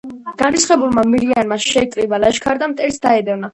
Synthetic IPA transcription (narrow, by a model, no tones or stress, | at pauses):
ɡ̥aɾisχɛbulˠmamiɾianmaʃʃɛk̪ʼɾibalaʃkʰaɾd̪amt̪ʼɛɾsd̪aɛd̪ɛvna